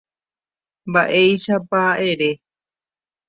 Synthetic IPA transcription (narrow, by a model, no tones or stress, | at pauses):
mbaʔe̞jʃapaʔe̞ɾe̞